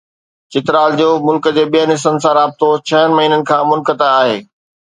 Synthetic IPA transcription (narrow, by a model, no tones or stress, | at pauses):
t͡ɕɪt̪ɾaːld͡ʑoːmʊlkə̆d͡ʑeːɓijənɪsənɪ̆s̬ãɾaːb̚t̪ot͡ɕʰɐənɪ̆mɐɦiːnənɪ̆kʰãːmʊlkət̪aaːɦeː